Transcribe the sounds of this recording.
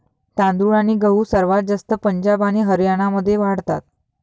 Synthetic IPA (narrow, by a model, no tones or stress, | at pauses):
t̪ãnd̪uɭañiːɡəɦuːsəɾʋat̪̚d͡zast̪əpəɲd͡ʑabañiɦəɾjaɽ̃aməd̪ʱːjeʋaɽt̪a̰t̪̚